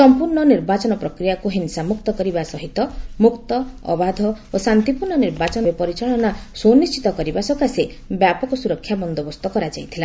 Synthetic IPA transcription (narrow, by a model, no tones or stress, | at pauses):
sɔmpuɾɳɔniɾbat͡ʃɔnɔpɾɔkɾijakuɦinsamuk̚t̪ɔkɔɾibasɔɦit̪ɔmukt̪ɔɔ̰bad̪ʱɔosant̪ipuɾɳɔniɾbat͡ʃɔnɔbepɔɾit͡ʃaɭ̃ɔnasonist͡ʃit̪ɔkɔɾibasɔkase | bjapɔkɔsuɾɔkʰːjabɔnd̪ɔbɔst̪ɔkɔɾad͡ʒajt̪ʰila